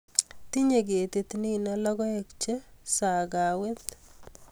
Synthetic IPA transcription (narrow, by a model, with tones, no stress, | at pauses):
t̪i˦ɲe˨ɡe˨t̪i˦t̪ni˦na˦lɔ˦ɡɔ˦ekt͡ʃe˦sa˨ɡawɪ˦t̪